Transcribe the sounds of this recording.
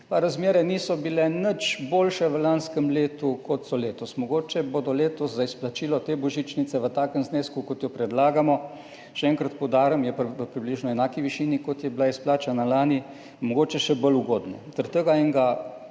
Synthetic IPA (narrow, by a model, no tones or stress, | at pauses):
paɾazmjeːɾɛniːsɔbilɛnət͡ʃboːlʃɛʋəlanskəmleːt̪ukɔt̪sɔleːt̪ɔsmɔɡoːt͡ʃɛboːd̪ɔleːt̪ɔszaisplat͡ʃiːlɔt̪eːbɔʒit͡ʃnit̪sɛʋət̪aːkəmzneːskukɔt̪jɔpɾɛd̪laːɡamɔ | ʃɛɛŋkɾat̪pɔwd̪aːɾəmjɛʋəpɾibliʒnɔɛnaːkiʋiʃiːnikɔt̪jɛblaisplaːt͡ʃanalaːni | mɔɡoːt͡ʃɛʃɛbəluɡoːd̪nɛ̰t̪əɾt̪əɡaiŋɡa